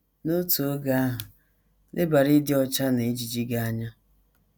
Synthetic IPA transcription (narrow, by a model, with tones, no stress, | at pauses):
nʊ˦to˨o˦ɡa˦a˦ɦʊ˨ | nɪ˦ba˨ɾi˦dɪ˦ɔ˦t͡ʃa˦ne˨˦d͡ʒi˨d͡ʒi˦ɡa˦a˦ɲa˦